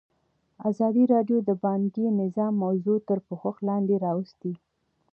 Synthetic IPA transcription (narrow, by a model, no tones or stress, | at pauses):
azɑd̪iɾɑɖjod̪əbɑŋɡinɪzɑmːawzot̪əɾpəxʊxlɑnd̪eɾɑwəst̪i